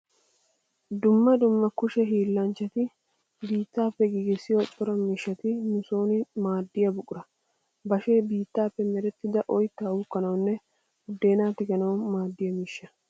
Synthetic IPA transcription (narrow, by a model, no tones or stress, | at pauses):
d̪ʊmːɐd̪ʊmːɐkʊʃɛɦiːlːɐnt͡ʃːɐt̪ɪ | biːt̪ːaːpːɛɡiɡɪsːɪjɔt͡ʃʼɔɾɐmɪʃːɐt̪ɪnʊsoːnɪmaːd̪ːɪjɐbʊkʼʊɾɐ | bɐʃe̞ːbiːt̪ːaːpːɛmɛɾɛt̪ːɪd̪ɐʔɔjt̪ːawʊkːɐnɐwnːɛ | ʊd̪ːe̞ːnaːt̪ɪɡɐnɐwmaːd̪ːɪjɐmɪʃːɐ